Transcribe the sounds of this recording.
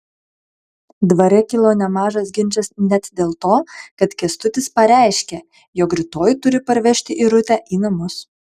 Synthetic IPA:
d̪ʋɐɾʲɛkʲɪlˠoːnʲɛmɑːʒɐsɡʲɪnʲt͡ʃʲɛsnʲɛt̪d̪ʲeːlˠt̪oːkɐt̪kʲɛst̪ʊt̪ʲɪspɐɾʲæˑɪʃʲkʲɛ | jɔkɾʲɪt̪oːjt̪ʊɾʲɪpɐɾʲʋʲɛʃʲt̪ʲɪʔiːɾʊt̪ʲæːʔiːnɐmʊs

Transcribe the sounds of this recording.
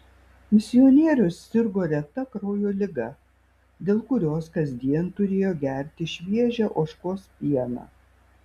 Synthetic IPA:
mʲɪsʲɪɔnʲiɛɾʲʊsːʲɪɾɡoːɾʲɛt̪ɐkɾoːjoːlʲɪɡɐ | d̪ʲeːlˠkʊɾʲoːskɐzʲd̪ʲiɛnt̪ʊɾʲeːjoːɡʲæˑɾʲt̪ʲɪʃʲʋʲiɛʒʲæʔoːʃkoːspʲiɛnɑ̰ː

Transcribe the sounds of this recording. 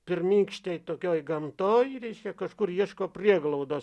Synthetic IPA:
pʲɪrmʲiŋkʃt̪ʲɛjt̪okʲojɡɐmt̪ojɾʲiʃʲkʲɛkɐʃkurjiɛʃkoːpʲrʲiɛɡlˠowd̪o

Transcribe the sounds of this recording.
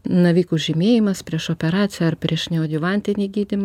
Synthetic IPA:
nɐʋʲiːkuʒʲɪmʲeːjɪmɐspʲɾʲiɛʃoːpʲɛɾɑːt̪sʲɪjɛɐɾpʲɾʲiɛʃnʲɛoːd̪ʲɪʋɐnʲt̪ʲɪnʲiːɡʲiːd̪ʲɪmɐ

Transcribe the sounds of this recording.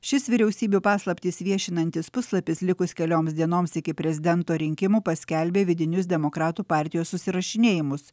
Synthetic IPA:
ʃʲɪsʋʲɪɾʲɛʊsʲiːbʲuːpɑːslˠɐpʲt̪ʲisʋʲiɛʃʲɪnɐnʲt̪ʲɪspʊslˠɐpʲɪslʲɪkʊskʲɛlʲoːmsd̪ʲiɛnoːmsɪkʲɪpʲɾʲɛzʲɪd̪ʲɛnt̪oːɾʲɪŋʲkʲɪmuːpɐsʲkʲɛlʲbʲeːʋʲɪd̪ʲɪnʲʊsd̪ʲɛmokɾɑːt̪uːpɑˑɾʲt̪ʲɪjoːsːʊsʲɪɾɐʃʲɪnʲeːjɪmʊs

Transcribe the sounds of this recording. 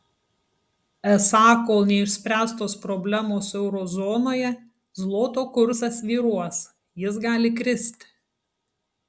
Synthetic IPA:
ɛsɑːkoːlˠnʲɛɪʃʲsʲpʲɾʲæːst̪oːspɾɔbʲlʲæmoːsɛʊɾɔzɔːnoːjɛ | zlˠoːt̪oːkʊɾsɐsʋʲiːɾuɔs | jɪsɡɑːlʲɪkɾʲɪsʲt̪ʲ

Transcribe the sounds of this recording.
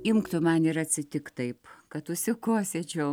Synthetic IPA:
ɪmkt̪ʊmɐnɪɾɐt̪ʲsʲɪt̪ʲɪkt̪ɐɪpkɐt̪ʊʃʲsʲɪkoːsʲet͡ʃʲɛʊ

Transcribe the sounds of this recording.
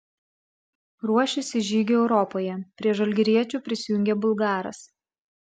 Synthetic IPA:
ɾuɔʃʲɪsʲɪʒʲiːɡʲoɛʊɾɔpoːjɛpʲɾʲiɛʒɐlʲɡʲɪɾʲiɛt͡ʃʲuːˑpʲɾʲɪsʲɪjʊŋʲɡʲebʊlˠɡɑːɾɐ̰s

